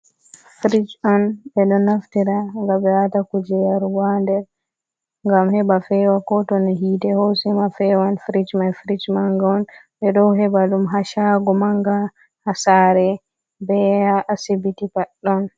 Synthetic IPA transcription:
fɾit͡ʃanbɛɗɔnːaftiɾaŋɡabɛatakud͡ʒɛjaɾwandɛɾ | ŋɡamhɛbafɛwakɔtɔniɦitɛhosimafɛwanfɾid͡ʒmajfɾid͡ʒmaŋɡaɔnɓɛɗɔwɦɛbaɗumɦaʃaɡɔmaŋɡa | hasaːɾɛ | bɛaʔasibitipaɗːɔn

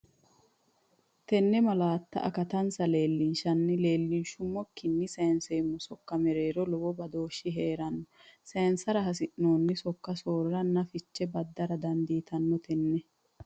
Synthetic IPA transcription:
t̪ɛnːɛmɐlaːt̪ːɐ̰ʔɐ̰kɐt̪ɐnsɐle̞ːlːɪnʃɐnːɪle̞ːlːɪnʃʊmːɔkːɪnːɪseːnseːmːʊsɔkːɐmɛɾeːɾɔlɔwɔbɐd̪o̞ːʃːɪɦeːɾɐnːɔseːnsɐɾɐɦɐs̬ɪʔno̞ːnːɪsɔkːɐsoːɾɐɾɐnːɐfɪt͡ʃːɛbɐd̪ːɐɾɐd̪ɐnd̪iːt̪ɐnːɔt̪ʰɛnːɛ

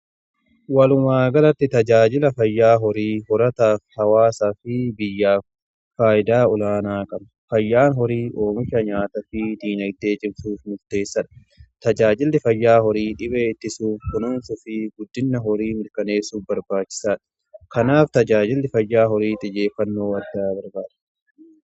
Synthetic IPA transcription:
wɐlʊmaːɡɐlɐt̪ːɪt̪ɐd͡ʒaːd͡ʒɪlɐfɐjːaːɦɔɾiːhɔɾɐt̪aːfhɐwaːsaːfɪbɪjːaːf | faːʔɪd̪aːɔlaːnaːkʼɐmɐfɐjːaːnɦɔɾiːʔo̞ːmɪʃɐɲaːt̪ɐfɪd̪iːnɐɡd̪e̞ːt͡ʃʼɪmsuːfmʊɾt̪e̞ːsːɐᶑɐ̥ | t̪ɐd͡ʒaːd͡ʒɪlːɪfɐjːaːhɔɾiːᶑɪbeːɪt̪ːɪsuːfkʊnuːnsʊfɪɡʊd̪ːɪnːɐɦɔɾiːmɪɾkɐne̞ːsuːfbɐɾbaːt͡ʃːɪ̥saːᶑɐ̥ | kɐnaːft̪ɐd͡ʒaːd͡ʒɪlːɪfɐjːaːɦɔɾiːt̪ʼɪd͡ʒe̞ːfːɐnːo̞ːɐd̪aːbɐɾbaːd̪ɐ̥

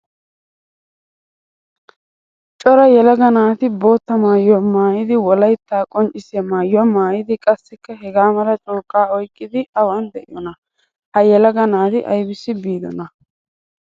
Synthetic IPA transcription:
t͡ʃʼɔɾɐjɛlɐɡɐnaːt̪ɪbo̞ːt̪ːɐmaːjːɔmaːjɪd̪ɪwɔlɐjt̪ːaːkʼɔnt͡ʃʼːɪsɪɐmaːjːɔmaːjɪd̪ɪkʼɐsːɪkːɐɦɛɡaːmɐlɐt͡ʃʼɔːkʼːaːɔjkʼːɪd̪ɪɐwɐnd̪ɛʔɪ̰jɔnɐ | hɐjɛlɐɡɐnaːt̪ɪʔɐ̰jbɪsːɪbiːd̪ɔ̰nɐ

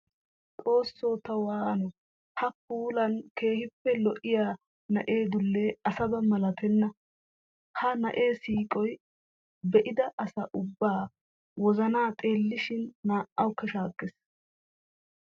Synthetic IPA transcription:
tʼo̞ːsːo̞ːt̪ɐwaːʔɐnɔ | hɐpuːlɐnke̞ːhɪpːɛlɔʔɪjaː | nɐ̰ʔe̞ːd̪ʊlːeːɐsɐbɐmɐlɐt̪ɛnːɐ | hɐnɐʔe̞ːsiːkʼɔj | bɛʔɪd̪ɐʔɐsɐʔʊbːaː | wɔzɐnaːt̪ʼe̞ːlːɪʃɪnːaːʔːɐwʊkːɐʃaːkʼːɛs

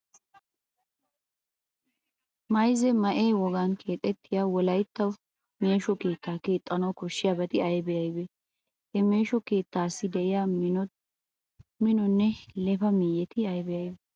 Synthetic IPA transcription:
mɐjzɛmɐʔeːwɔɡaːnkʰe̞ːt̪ʼːɛt̪ːɪjaːwɔlɐjt̪ːɐw | me̞ːʃɔke̞ːt̪ːaːke̞ːt̪ʼːɐnɐwkɔʃːɪjabɐt̪ɪɐjbɛjɐjbɛ | hɛmeːʃɔke̞ːt̪ːaːsːɪd̪ɛʔɪja | mɪnɔnːɛlɛfɐmijɛt̪ɪɐjbɛjɐjbɛ

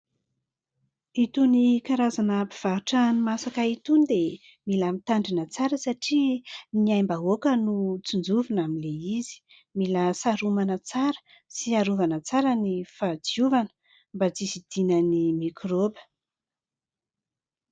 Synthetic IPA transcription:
it̪unikaɾazanəpi̥v̥aɦuʈ͡ʂanumasakait̪unid̪e | milamit̪aɳɖ͡ʐinət͡saɾəsaʈ͡ʂiniajmbaokənut͡sund͡zuvinamileizi̥ | milasaɾumanət͡saɾə̥ | siaɾuvanət͡saɾənifad͡ziuvanə̥ | mbad͡zisid̪̥inənimikʰrobə̥

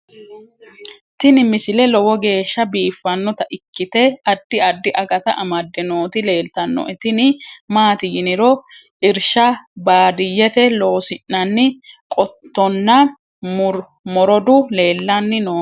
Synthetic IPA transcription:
t̪ɪnɪmɪsɪlɛlɔwɔɡe̞ːʃːɐbiːfːɐnːɔt̪ɐʔɪkːɪt̪ɛɐd̪ːɪɐd̪ːɪʔɐɡɐt̪ɐʔɐmɐd̪ːɛnoːt̪ɪle̞ːlt̪ɐnːɔ̰ʔɛt̪ɪnɪmaːt̪ɪjɪnɪɾɔ | ʔɪɾʃɐbaːd̪ɪjːɛt̪ɛlo̞ːsɪnːɐnːɪkʼɔt̪ːɔnːɐ | ɾ | mɔɾɔd̪ʊle̞ːlːɐnːɪnoː

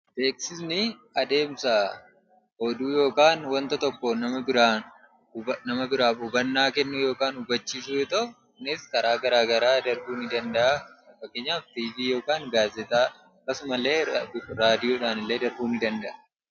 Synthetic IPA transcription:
t̪eːksɪsnɪɐd̪e̞ːmsa | hod̪uːjo̞ːkaːnwɐnt̪ɐt̪ɔkːɔnɐmɐbɪɾaːn | nɐmɐbɪɾaːfʊbɐnːaːkɛnːʊjo̞ːkaːnʊbɐt͡ʃːiːsuɛt̪ɐ | nɪskɐɾaːɡɐɾaːɡɐɾaːd̪ɐɾbuːnɪd̪ɐnd̪ɐʔɐɐfɐkeːɲːaːft̪iːviːjo̞ːkaːŋɡaːzɛt̪aː | ɐkːɐsʊmɐle̞ːɾaːd̪ɪjoːᶑaːnɪlːeːd̪ɐɾbuːnɪd̪ɐnd̪ɐʔɐ̥

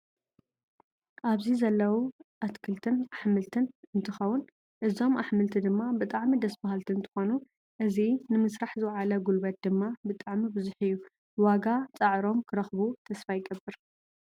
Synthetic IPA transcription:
ʔaβzizɐlːɐwuʔat̪kʰɨlt̪ʰɨnaħmɨlt̪ʰɨnɨnt̪ʰɨxɐwːʊn | ʔɨzo̞mʔaħmɨlt̪ʰid̪ɨmːabɨt̪ʼaʕmid̪ɐsbahalt̪ʰɨɨnt̪ʰɨ̥xonu | ʔɨzinɨmɨsɾaħzɨwʕalɐɡulbɐt̪̚d̪ɨmːabɨt̪ʼaʕmibɨzuħɨjːu | waɡat͡sʼɐʕɾo̞mkʰɨɾɐxbut̪ʰɐsfajɡɐbːɨɾ

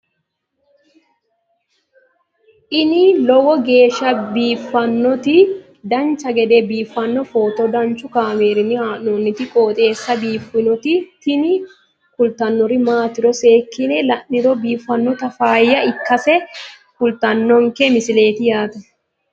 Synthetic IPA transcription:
ʔɪnɪlɔwɔɡe̞ːʃːɐbiːfːɐnːɔt̪ɪ | d̪ɐnt͡ʃɐɡɛd̪ebiːfːɐnːɔfo̞ːt̪ɔd̪ɐnt͡ʃːʊkaːmeːɾɪnːɪhaːnnoːnːɪt̪ɪkʼo̞ːt̪ʼe̞ːsːɐbiːfːɪnɔt̪ɪt̪ɪnɪ | kʊlt̪ɐnːɔɾɪmaːt̪ɪɾɔse̞ːkːɪnɛlɐnːɪɾɔbiːfːɐnːɔt̪ɐfaːjːɐɪkːɐsɛ | kʊlt̪ɐnːɔŋkɛmɪsɪle̞ːt̪ɪjaːt̪ɛ

